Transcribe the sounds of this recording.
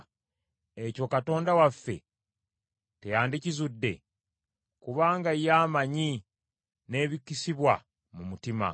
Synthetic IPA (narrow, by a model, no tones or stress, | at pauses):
e̞co̞kato̞ːndawafːe̞̰ | tejaːndicizudːe̞̰ | kuβaːŋɡajaːmaɲi | ne̞ːβikːisiβwa | mumutima̰